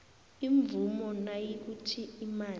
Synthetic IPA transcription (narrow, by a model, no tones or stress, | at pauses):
iɱvumɔnajik̬utʰiimaː